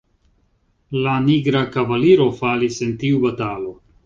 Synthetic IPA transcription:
laniɡɾakavaliɾo̞falisentiubatalo̞

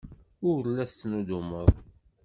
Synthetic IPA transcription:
ʊɾɾlːæθt͡sːnud̪uməðˤ

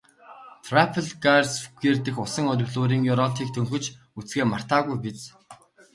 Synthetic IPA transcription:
t̪ʰrapʰəɮɡarsfu̥ɣeːrt̪ɘ̆xʊsə̆ŋɔɾ̆ʲɣɮoːɾiːŋjʊɾɔt̪ʰiːk̚t̪ʰɵŋxɵ̆t͡ɕ | ut͡sɡeːmar̥t̪aːɣujpit͡s

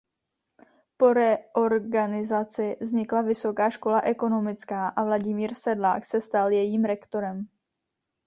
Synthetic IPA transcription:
po̞ɾɛʔo̞ɾɡanɪzat͡sɪvzɲɪklavɪso̞kaːʃko̞laʔɛko̞no̞mɪt͡skaːʔavlaɟɪmiːɾsɛdla̰ːksɛst̪aljɛjiːmɾɛkt̪o̞ɾɛm

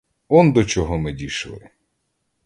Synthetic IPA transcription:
ɔnd̪ɔt͡ʃɔɦɔmɪdʲiʃlˠɪ̰

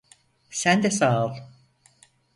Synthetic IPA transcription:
sænd̪ɛsaːlˠ

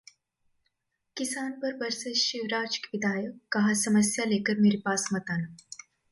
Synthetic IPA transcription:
kisanpəɾbəɾsəɕiʋɾat͡ʃkʋid̪ʱajəkːɐɦasəməsjalekəɾmiɾipasmət̪ana

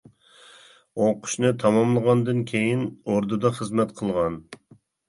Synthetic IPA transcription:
oqʰʊ̥ʃnɨt̪ʰɑmɑmlˠəʁɑnd̪ɨnkʲʰejinoɾd̪ɨd̪ɑχəzmɛt̪qʰəlˠʁɑn

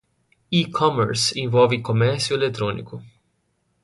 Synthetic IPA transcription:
ikʰɔmɛɾsinvolvikomɛɾt̪siuelek̚t̪ɾonḭku

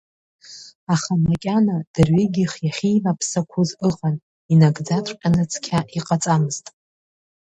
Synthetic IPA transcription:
aχamakʲʼanad̥ɨrɥiɡʲɪχjaχʲijvapʰsakʷʰʊzɨʁʼan | inaɡd͡zatʷʰʼqʲʼanɨt͡sʰʼkʲʰaʔiqʼat͡sʼamɨz̥tʼ

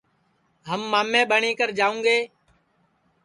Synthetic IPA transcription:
ɦəmːaːmːẽːɓəɳĩːkəɾd͡ʒaːũːŋɡeː

